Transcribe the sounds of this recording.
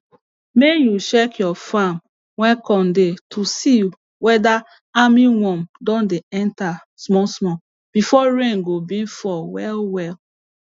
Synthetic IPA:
mejuʃɛkjɔfam | wɛ̃kɔ̃ndetʰusiju | wɛda | amiwɔ̃mdɔ̃ndeɛ̃nta | smɔsmɔ | b̥ifɔɹẽnɡobĩnfɔwɛlwɛl

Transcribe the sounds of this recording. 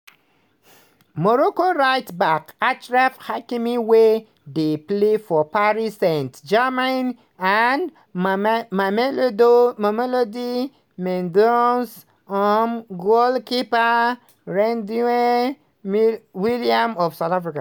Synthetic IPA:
mɔɹokoɹajtbakat͡ʃɹafhakimiwe | deplefɔpaɹisɛ̃ntd͡ʒɛmãn | an | mamelodomɔmelodi | mɛ̃ndons | ɔmɡolkipa | ɹɛ̃ndue | mwiliãmɔv̥saʊtafɹika

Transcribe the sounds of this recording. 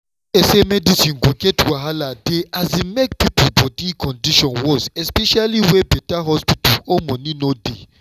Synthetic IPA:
esemɛdisĩnɡoɡɛtwaɦaladeazemek̚pipobɔdikɔ̃ndiʃɔ̃nwɔzɛspɛʃaliwɛbɛtaɦɔspitɔomɔ̃ninode

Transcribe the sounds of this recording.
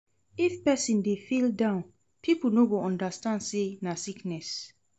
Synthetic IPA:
ifpɛsĩndefildãʊ̃n | pʰiplnoɡõɔ̃ndastãnsenasiknɛs

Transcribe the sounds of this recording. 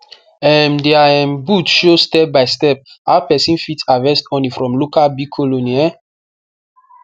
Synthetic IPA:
ɛmdɛaɛ̃mbutʃostɛp̚baɪstɛp̚aʊpɛsĩnfitsavɛstɔ̃nlifɹɔ̃mlokalbikʰɔloniɛ

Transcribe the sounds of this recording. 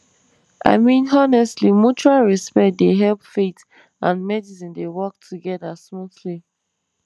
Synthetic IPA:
ʔa̰ɪmĩnɔnɛstlimut͡ʃuɹalɹɛspɛkt̚deɦɛlpfet | ãnmɛdisĩndewɔk̚tʰuɡɛdasmuθli

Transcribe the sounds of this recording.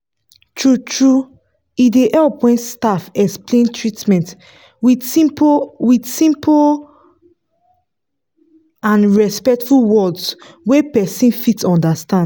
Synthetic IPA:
tʰɹutɹu | ideʔɛlpwɛ̃nstafɛksplẽntɹitmɛ̃nt | wiĩwidsĩmpʰ | ãnɹɛspɛk̚tfulwɔds | wepɛsĩnfitɔ̃ndastãnd

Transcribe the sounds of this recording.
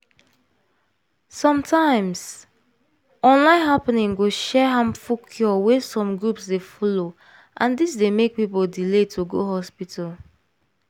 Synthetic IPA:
sɔ̃mtʰãɪ̃ms | ɔ̃nlãɪ̃nɦapnĩŋɡoʃɛɦãmfukʰjɔwɛsɔ̃mɡɹupsdefɔlo | ʔãndisdemek̚pipoldiletʰoɡo̰hɔspitʰal

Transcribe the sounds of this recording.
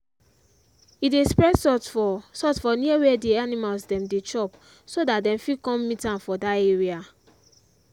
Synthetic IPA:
idespɹɛsɔsɔtfɔniawɛdeanimalsdɛ̃mdet͡ʃɔp | sodat̚dɛ̃mfikɔ̃mːitãnfɔdaeɹia

